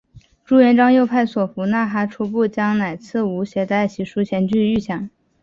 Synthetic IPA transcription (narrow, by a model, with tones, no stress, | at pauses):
ʈ͡ʂu˥jɛ˧˥nʈ͡ʂɑ˥ŋjo˥˧ʊpʰa˥˩ɪswɔ˨˩fu˧˥na˥˩xa˥ʈ͡ʂʰu˧˥pu˥˩t͡ɕjɑ˥ŋna˨˩ɪt͡sʰɹ̩˥˩u˧˥ɕjɛ˧˥t̪a˥˩ɪɕi˧˥ʂu˧˥t͡ɕʰjɛ˧˥nt͡ɕy˥˧y˥˩ɕjɑ˨˩˦ŋ